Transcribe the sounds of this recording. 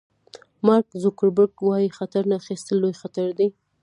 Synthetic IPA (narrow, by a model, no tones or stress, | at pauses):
mɑɾkzʊkəɾbəɾɡwɑjixat̪aɾnaxist̪əlːojxat̪aɾd̪ei